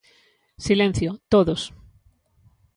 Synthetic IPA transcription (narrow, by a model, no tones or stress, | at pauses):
silẽn̟θjot̪oðos